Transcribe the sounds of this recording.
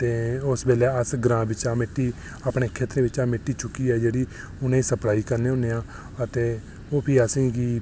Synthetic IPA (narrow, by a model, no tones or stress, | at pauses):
t̪eːʊsbeːlɛːəsɡɾãːbɪt͡ʃaːmeʈːiː | aːpɳeːkʰeːt̪ɾẽːʋɪt͡ʃãːmeʈːiːt͡ʃʊkːiːɛːd͡ʒeːɽiː | ʊnẽːsəplaːiːkəɾneːʊneːãː | ət̪eː | oːpʰiːəsĩːɡiː